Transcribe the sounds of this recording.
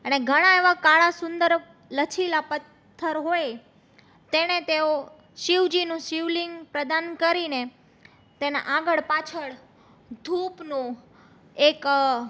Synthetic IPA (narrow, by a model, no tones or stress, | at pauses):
əneɡʱəɽ̃aeʋakaɭasʊ̃nd̪əɾ | lət͡ʃʰilapət̪ʰːəɾɦoje | t̪enet̪eo | ʃiʋd͡ʒinũʃiʋliŋɡpɾəd̪ankəɾine | t̪ena̰ʔaɡəɭpat͡ʃʰəɭ | d̪ʱupnũ | ek